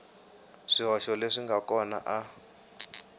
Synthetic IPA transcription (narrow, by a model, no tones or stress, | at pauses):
ʂiɦɔʃɔleʂiŋɡakɔna̰ʔa